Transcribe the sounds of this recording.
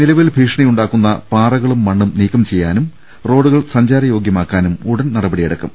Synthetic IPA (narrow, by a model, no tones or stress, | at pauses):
nilɐʋilbʱiːʂɐɳɐjuɳɖaːkːunːɐpaːrɐɣɐɭumːɐɳːumniːkːɐmt͡ɕe̞jːaːnum | ro̞ːɽuɣɐɭsɐɲd͡ʑaːɾɐjo̞ːɡjɐmaːkːaːnumuɽɐnnɐɽɐbɐɽijɐɽɐkːum